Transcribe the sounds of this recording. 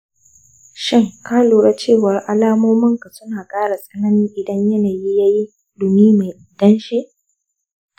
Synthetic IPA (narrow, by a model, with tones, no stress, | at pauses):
ʃɪ˦ŋkaː˦loː˨ɽɐ˦t͡ʃeː˦˨wɐ˨rʔa˦laː˦moː˦mɐ˦ŋka˨sʊ˦naː˨kʼaː˦ɽa˨sʼɐ˦na˦nɪ˦ŋʔɪ˨dɐ˦ɲjɐ˦naː˨ji˦jaː˦ji˦ | lʊ˨miː˦ma˨jʔɪ˨dɐ˦nʃi˦ʔ